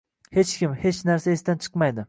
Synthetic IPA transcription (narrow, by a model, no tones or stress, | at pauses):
he̞t͡ʃkʲɪmhe̞t͡ʃnaɾsaesd̪ant͡ʃʰɨ̥qmajd̪ɪ